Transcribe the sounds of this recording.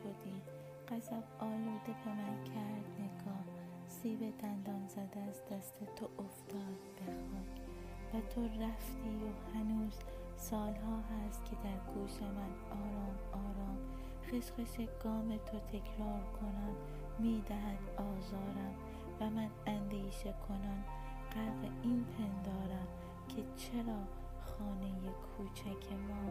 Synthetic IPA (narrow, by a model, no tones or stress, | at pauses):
ʃod̪iː | ɢ̥æsæbɒːluːd̪e̞bemæncʰæɾd̪̥neɡɒːh | siːbe̞d̪ænd̪ɒːnzæd̪æzd̪̥æst̪ʰet̪ʰoʔoft̪ɒːd̪̚b̥exɒːkvæt̪ʰoɾæft̪ʰiːohænuːz̥sɒːlɦɒːɦæst̪cʲʰe̞d̪æɾɡ̥uːʃemæn | ɒːɾɒːm | ɒːɾɒːm | xeʃqeʃeɡ̥ɒːmet̪ʰot̪ʰe̞kʰɾɒːɾkʰo̞næn | miːd̪æɦænd̪ɒːzɒːɾæm | væmænænd̪iːʃekʰo̞næm | ɢ̥æɾɣeinpʰend̪ɒːɾæm | cʰe̞t͡ʃʰeɾɒː | xɒːnejekʰuːt͡ʃʰækʰemɒː